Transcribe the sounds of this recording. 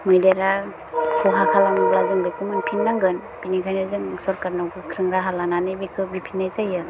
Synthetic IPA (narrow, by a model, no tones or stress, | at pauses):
mɯjdaɾa | sʰɔɦakʰalanɯblazɯŋbikɯmɯnpʰinːaŋɡɯn | b̥inikʰajniɾzɯŋsɔɾkaɾnawkʰɯkʰɾɯŋɾaɦalananɯjbikʰɯbipʰinːajzajɯ